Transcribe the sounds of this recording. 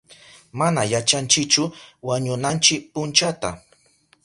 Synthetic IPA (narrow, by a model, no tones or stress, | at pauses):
manajat͡ʃant͡ʃɪkt͡ʃʊwaɲʊnant͡ʃɪk̚pʊnt͡ʃat̪a̰